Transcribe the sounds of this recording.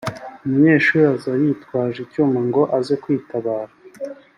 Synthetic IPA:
umuɲe̞ːʃuːɾazajitkwaːʒicumaŋɡo̞ʔazekwiːtaβaːɾa

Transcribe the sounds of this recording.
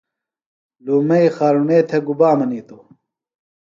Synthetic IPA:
luːmɐixaːɾuneːt̪ʰeɡubaːmɐniːt̪o

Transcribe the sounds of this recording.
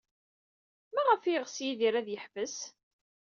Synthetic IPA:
mæʁəfiʁsjiðiɾæðjəħvəs

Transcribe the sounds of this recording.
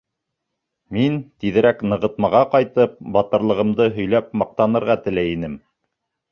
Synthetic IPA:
mint̪iðɘ̆ɾæknɤ̆ʁɤ̆t̪̚mɑʁɑqɑjt̪ɤp̚bɑt̪ɤ̆ɾlˠɤ̆ʁɤ̆md̪ɤɦɵ̆jlæp̚mɑq̚t̪ɑnɤ̆ɾʁɑt̪ɘ̆læjinɘm

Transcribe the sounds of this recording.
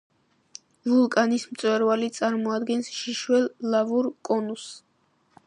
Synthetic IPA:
vulˠkʼanismt̪sʼwɛɾvalit̪sʼaɾmɔad̪ɡɛnsʃiʃwɛlːavuɾkʼɔnus

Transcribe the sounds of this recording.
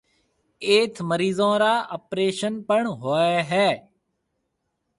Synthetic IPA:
eːt̪ʰməɾiːzõːɾaːʔəpɾeːʃənpəɳɦoːeːɦɛː

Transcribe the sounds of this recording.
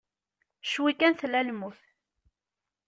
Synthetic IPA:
ʃwikænθlælmuθ

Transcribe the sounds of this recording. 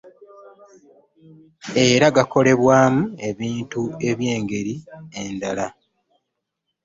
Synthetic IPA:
e̞ɾaɡako̞le̞βwaːmue̞βiːntue̞βje̞ːŋɡe̞ɾiendala

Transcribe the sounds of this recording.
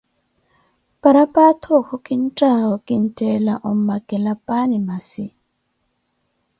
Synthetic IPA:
paɾapʼat̪ʰɔkɔkʼin̩tʼaɔkʼin̩tʼɛlaʔɔmmːaɡɛlapʼanimasi

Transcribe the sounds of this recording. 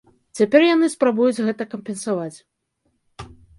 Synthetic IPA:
t͡sʲapʲɛrjanɨspɾabujud͡zʲɣɛt̪ɐkɐmpʲɛnsavat͡sʲ

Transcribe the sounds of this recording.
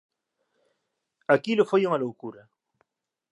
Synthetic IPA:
akilʊfojuŋalowkuɾɐ

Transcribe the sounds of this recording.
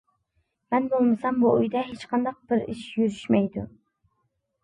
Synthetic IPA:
mɛnbolˠmɨsɑmbuʔujd̪ɛɦet͡ʃqʰɑnd̪ɑq̚b̥ɪɾiʃjyɾyʃmɛjd̪u

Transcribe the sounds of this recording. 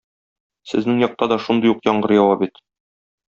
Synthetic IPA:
sɘ̆znɘŋjɒq̚t̪ɑd̪ɒʃund̪ɤjuqjɒɴɢɤɾjɒwɑpit̪

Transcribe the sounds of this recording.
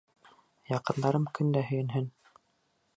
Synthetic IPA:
jɑqɤ̆nd̪ɑɾɤmkɵnd̪æɦɵ̆jɘ̆nɦɘn

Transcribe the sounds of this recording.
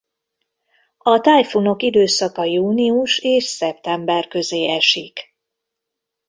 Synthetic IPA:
ɒt̪ajfuno̞kid̪øːsɒkɒjuːniuʃeːʃsɛpt̪ɛmbɛrkø̞zeːɛʃik

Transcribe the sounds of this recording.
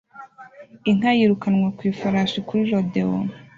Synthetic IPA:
iŋ̥ajiɾukanŋwakwiːfaɾasikuɾiɾodeo̰n

